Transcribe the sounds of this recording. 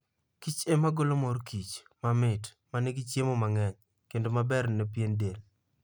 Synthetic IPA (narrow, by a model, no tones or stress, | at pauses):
kit͡ʃemaɡolomɔɾkʰit͡ʃ | mamɪt | manɛɡɪt͡ʃjemomaŋɛɲ | kendomabɛɾnɛp̬jendel